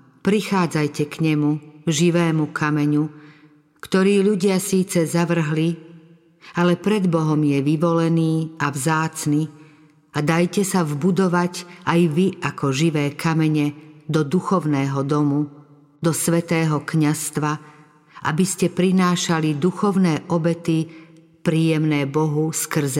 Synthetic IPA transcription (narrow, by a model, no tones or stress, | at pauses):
pɾixaːd͡zajcɛkɲɛmuʒiʋɛːmukʰamɛɲu | kt̪ɔɾiːʎuɟɪasiːt͡sɛzaʋr̩ɦli | alɛpɾɛd̪bɔɦɔmjɛʋiʋɔlɛniːavzaːt͡sni | ad̪ajcɛsavbud̪ɔʋaɟajʋiʔakɔʒiʋɛːkʰamɛɲɛd̪ɔd̪uxɔʊnɛːɦɔd̪ɔmu | d̪ɔsʋɛt̪ɛːɦɔkɲast̪ʋa | ʔa̰biscɛpɾinaːʃalid̪uxɔʊnɛːʔɔbɛt̪i | pɾiːjɛmnɛːbɔɦuskr̩zɛ